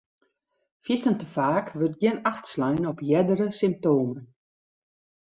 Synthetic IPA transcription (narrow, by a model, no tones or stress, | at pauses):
fjɪstəntəfaːkʋøt̚ɡjɪnaxtslɛjnɔpjɛdəɾəsɪmp̚toːmən